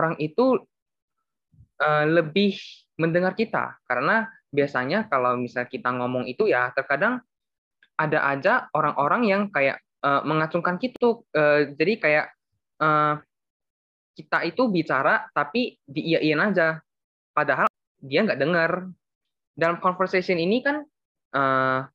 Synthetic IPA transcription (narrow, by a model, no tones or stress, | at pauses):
oɾaŋʔit̪u | ʔəːləbɪh | məndəŋarkit̪a̰kaɾəna | biasaɲakalawmisalkit̪aŋomɔŋit̪ujat̪ərkadaŋ | ʔada̰ʔad͡ʒaoɾaŋʔoɾaŋjaŋkaja̰ʔ | əməŋat͡ʃuŋkankit̪uəːd͡ʒadikajaʔ | əː | kit̪ait̪ubit͡ʃaɾat̪apidiːjaʔianad͡ʒa | padaɦal | diaŋɡaʔdəŋər | dalamkɔnfərsasiəninikan | ʔəː